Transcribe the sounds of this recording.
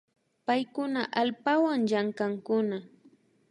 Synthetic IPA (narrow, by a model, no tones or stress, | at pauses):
pajkʊnaʔalpawaŋʎaŋkaŋkʊna